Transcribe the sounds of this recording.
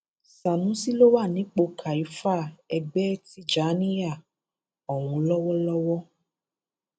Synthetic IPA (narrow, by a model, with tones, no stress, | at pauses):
sa˨nũ˨˦si˦lo˦wa˦˨nĩ˨˦k͡po˧kʰa˨i˨˦fa˦˨ɛ˧ɡ͡bɛ˦ti˦d͡ʒa˨˦nĩ˦ja˦˨ | ɔ˨w̃ũ˧lɔ˦wɔ˦lɔ˦wɔ˦